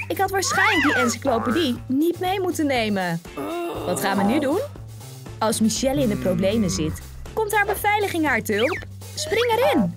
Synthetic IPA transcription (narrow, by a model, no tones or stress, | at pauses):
ɪkɦɑtʋaːɹsχɛjnlək̚diʔɛnsi̥klowpədinitmejmutənejmə | ʋɑtχaːnʋənydun | ɑlˠsmiʃɛlɪndəprowblejməzɪt | kɔmtɦaːɹbəvɛjləχɪŋɦaːɹtəøp | sprɪŋɛɾɪn